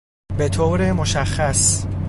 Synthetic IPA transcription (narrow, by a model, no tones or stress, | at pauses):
bet̪ʰoːɾemoʃæxːæs